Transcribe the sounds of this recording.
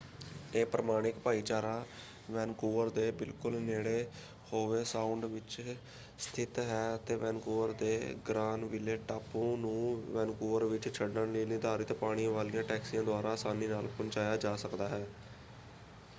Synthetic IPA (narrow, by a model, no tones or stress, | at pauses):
eːpɾəmaːɽ̃ɪkpaːiːt͡ʃaːɾaː | ʋɛːnkuːəɾd̪eːbɪlkʊlneːɽeː | hoːʋeːsaːʊɳɖʋɪt͡ʃ | st̪ʰɪt̪ɦɛːət̪eːʋɛ̃ːnkuːʋəɾd̪eːɡɾaːnʋɪleːʈaːpõːnũːʋɛːnkuːəɾʋɪt͡ʃt͡ʃʰəɖːənliːniːd̪aːɾɪːt̪eːpaːɽ̃ijãːʋaːlɪjãːʈɛːksijãːd̪ʊaːɾaːsaːniːnaːlpənt͡ʃaːjaːd͡ʒaːsəkd̪aːɦɛː